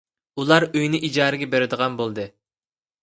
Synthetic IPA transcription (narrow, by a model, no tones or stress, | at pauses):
ulˠɑɾøjnɪʔid͡ʒɑːɾɪɡʲɛbeɾɪd̪əʁɑnbolˠd̪ɨ